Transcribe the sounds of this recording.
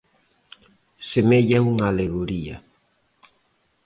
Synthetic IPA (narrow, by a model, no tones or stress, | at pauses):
semeʎauŋaleɣoɾia̰